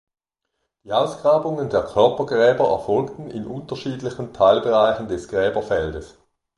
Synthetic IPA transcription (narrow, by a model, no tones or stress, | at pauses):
d̥iːaʊsɡ̥ʁaːbʊŋəndeːɐkʰœɐpɐɡʁɛːbɐɛ̰ɐfɔlktn̩ɪ̰nʔʊntɐʃiːdlɪçən̩tʰaɪlbeʁaɪçn̩dɛsɡ̥ʁɛːbɐfɛldəs